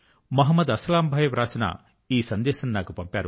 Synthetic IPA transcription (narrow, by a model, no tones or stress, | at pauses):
mɐɦɐmːɐd̪ɐslaːmbʱaːjɐʋɾʔaːsɐnɐ̰ | iːsɐnd̪ɛːʃɐninaːkupɐmpaːɾu